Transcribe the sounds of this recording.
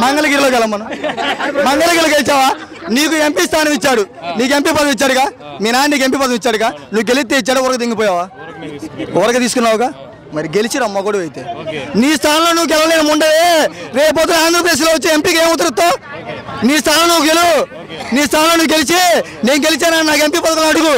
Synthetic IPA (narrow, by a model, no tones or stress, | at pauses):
mɐŋɡɐlɐɡiːɾloːkɛlːɐmːɐnɐ | mɐŋɡɐlɐɡiːɾloɡelit͡ʃaːʋaː | niːkuempiːst̪ʰaːnɐmit͡ʃːaːɽuniːk̬empiːpɐd̪ɐmit͡ʃːaːɽukaːmiːnaːniːk̬empiːpɐd̪ɐmit͡ʃːaːɽukaːnuʋːɡelit̪̬ːeit͡ʃːaːɽeɔɾɐkɐd̪eŋɡipɔːjaːʋaː | ɔɾɐkɐt̪iːsu̥kunːaːwkaː | mɐɾiɡelit͡ʃinamɔɡoɽiʋɐjit̪ḛːniːst̪ʰaːnɐmlo̞ːnuʋːuk̬ɛlʋɐleːnɐmuɳɖɐʋeɾeːpoːt̪unɐaːnd̪ɾɐp̬ɾd̪eːʃ̬loːut͡ʃːiempiːkeːmut̪̬ːɐɾit̪ːoː | niːst̪ʰaːnɐmnuːkuɡelu | niːst̪ʰaːnloːnuʋːɡelit͡ʃe | ne̞ːnuɡe̞lit͡ʃaːnaːnnaːkempiːpɐd̪ɐkɐlnɐɽuɡu